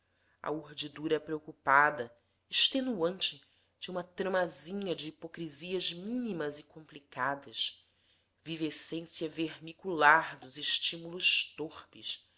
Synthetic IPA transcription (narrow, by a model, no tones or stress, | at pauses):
ɐ̰uɾd͡ʒid̪uɾɐɛpɾeokupad̪ɐ | eʃt̪enuɐ̃nt͡ʃɪ | d͡ʒɪũmɐt̪ɾɐ̃mazĩɲɐd͡ʒɪːpokɾiziɐzmĩnimɐzɪkõmplikad̪ɐʃ | vivesẽsjɐveɾmikulaɾd̪ʊzɪʃt͡ʃimulʊʃt̪oχpɪs